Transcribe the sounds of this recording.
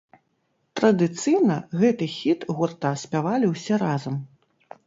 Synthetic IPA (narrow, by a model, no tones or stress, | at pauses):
t̪ɾɐd̪ɨt̪sɨjnɐɣɛt̪ɨxʲit̪ɣurt̪asʲpʲavalʲiwsʲɛɾazɐm